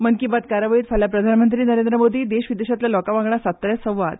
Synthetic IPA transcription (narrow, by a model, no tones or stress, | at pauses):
mənkibat̪kaɾjəʋəit̪fʰaljapɾəd̪ʱanmənt̪ɾiːnəɾend̪ɾəmod̪ʱiːd̪eɕʋid̪eɕat̪ljalɔkaʋãŋɡɳasat̪ːəɾjasə̃w̃ʋa̰d̪